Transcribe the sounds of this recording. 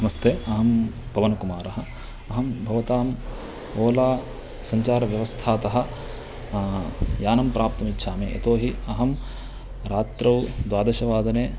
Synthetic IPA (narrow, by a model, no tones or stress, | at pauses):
nɐmɐst̪ʰeːɐɦɐmbʱɐʋɐnɐkumaːɾɐɦɐ̆ | ɐɦɐmbʱɐʋɐt̪aːm | oːlaː | sɐɲt͡ʃaːɾɐʋjɐʋɐst̪ʰaːt̪ɐɦɐ̆ | jaːnɐmpɾʔaːp̚t̪ɐmitːʃʰaːmḛːʔḛt̪oːɦiɐɦɐm | ɾaːt̪ɾɐwd̪ʋaːd̪ɐʃɐʋaːd̪ɐneː